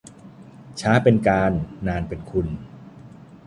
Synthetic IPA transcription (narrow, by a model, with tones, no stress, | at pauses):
t͡ɕʰaː˦˥pe˧nkaː˧nːaː˧npe˧nkʰu˧n